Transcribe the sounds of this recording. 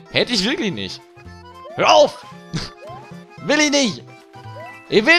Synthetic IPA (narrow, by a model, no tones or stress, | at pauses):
hɛtəɪçvɪɐklɪçnɪ̰çt | høːɐaʊf | vɪlɪçnɪç | ʔɪvɪ